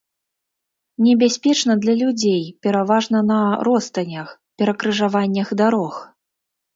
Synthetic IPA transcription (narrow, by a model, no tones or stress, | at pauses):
nʲɛbʲasʲpʲɛt͡ʂnɐd̪lʲɐlʲud͡zʲejpʲɛɾavaʐnɐnɐɾɔst̪ɐnʲɐxpʲɛɾɐkɾɨʐavanʲːɐxd̪aɾɔx